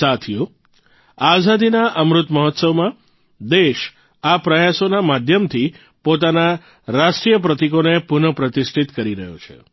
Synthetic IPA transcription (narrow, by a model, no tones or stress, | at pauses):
sat̪ʰijo | azad̪inaʔəmɾʊt̪məɦɔt̪səwmã | d̪eʃ | apɾəjasonamad̪ʱjəmt̪ʰi | pot̪ana | ɾaʃʈɾijəp̬ɾət̪ikonepunəpɾət̪isʈʰit̪kəɾiɾəɦjo̰t͡ʃʰḛ